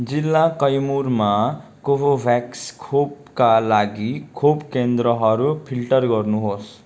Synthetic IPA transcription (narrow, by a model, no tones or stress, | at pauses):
d͡zilːakʌjmurmakobobʱakskʰop | kalaɡikʰopkend̪ɾʌɦʌɾupʰilʈʌrɡʌrnuɦos